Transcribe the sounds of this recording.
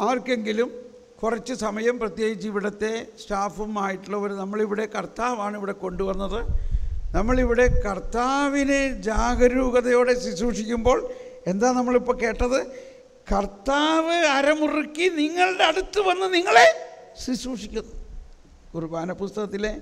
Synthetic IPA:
aːrkːe̞ŋɡilum | kurɐt͡ɕːɨsɐmɐjɐmprɐt̪je̞ːɡit͡ɕːiʋiɽɐt̪ːe̞sʈaːfumaːjiʈːuɭːɐoɾunɐmːɐɭiʋiɽe̞kɐrt̪aːʋaːɳiʋiɽe̞ko̞ɳɖuʋɐnːɐðɨnɐmːɐɭiʋiɽe̞kɐrt̪ːaːʋined͡ʑaːɡɐɾuːɣɐðɐjo̞ːɽe̞swisuːʂikʲːumbo̞ːɭe̞nd̪aːlnɐmːɐɭipːoɭke̞ːʈːɐðɨ | kɐrt̪ːaːʋɨɐɾɐmurikːiniŋːɐɭɖeɐɽut̪ːuɨʋɐnːuniŋːɐɭe̞swisuːʂikʲːɐnː | urubaːnɐpust̪ɐɣɐt̪ːile̞

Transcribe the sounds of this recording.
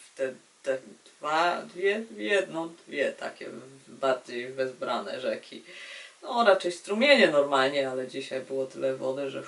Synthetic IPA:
ft̪ɛ | t̪ɛd̪̥vad̪vʲjɛvjɛd̪nɔ̃d̪vʲjɛt̪a̰kʲɛ̰baɾd͡ʑejvɛzbɾanɛ̰ʐɛkʲʰḭnɔɾat͡ʂɛjst̪ɾumʲjeɲɛnɔɾmalɲɛalɛd͡ʑiɕajbɘwɔt̪ɘlɛvɔd̪ɛʐɛ

